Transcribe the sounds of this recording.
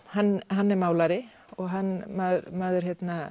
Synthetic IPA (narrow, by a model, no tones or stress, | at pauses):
hanːɦanːɛɾmaːwlaɾɪ | ɔɣɦanːmaɾmaːðʏɾ̥çjɛt̪na